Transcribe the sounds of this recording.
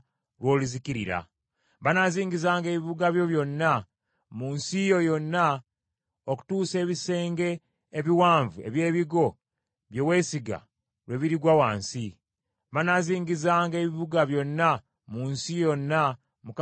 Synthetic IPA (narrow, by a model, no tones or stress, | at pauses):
lwo̞ːluziciɾiɾa̰ | βanaziːŋɡizaːŋɡe̞ːβiβuɡaβjo̞βjo̞nːa | muːnsijo̞jo̞nːa | oku̥tuːse̞ːβise̞ːŋɡe̞ː | βiwaːɱvue̞̰βje̞ːβiɡo̞ | βjowe̞ːsiɡa̰ | lwe̞βiɾiɡwawaːnsi | βanaziːŋɡizaːŋɡe̞ːβiβuɡaβjo̞nːa | muːnsijo̞nːa | muk